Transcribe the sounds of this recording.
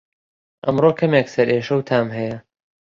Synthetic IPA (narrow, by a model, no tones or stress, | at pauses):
ʔɐmrokʰɐmeksɐɾʔeːʃɐwt̪ʰaːmɦɐjɐ